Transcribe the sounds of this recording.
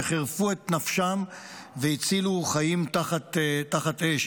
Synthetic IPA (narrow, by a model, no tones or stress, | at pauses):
χeʁfuet̪nafʃam | veit͡siluχajimt̪aχat̪taχat̪eʃ